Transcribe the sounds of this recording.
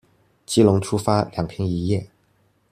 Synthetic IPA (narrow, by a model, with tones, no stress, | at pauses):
t͡ɕi˥lʊ˧˥ŋʈ͡ʂʰu˥fa˥ljɑ˨˩ŋpʰjɛ˥ŋi˧˥jɛ˥˩